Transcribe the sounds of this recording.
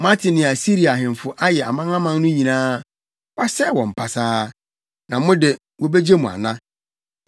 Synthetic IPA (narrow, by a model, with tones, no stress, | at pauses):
mã˦tʰɪ˨nɪ̃˨a˨si˦ɾi˨a˨ɦɪ̃˨m˨fʊ˦ʔa˦jɛ˨a̰˨mã˦ŋã˦mã˦n˦nʊ̃˦ɲĩ˨nãː˦ | wa˦sɛ˦˨wɔ̃˨m̩˨pʰa˨saː˦ | nã˨˦mʊ̃˦dɪ˨ | wɔ˦be˦d͡ʑe˦mũ˨a̰˨nã˦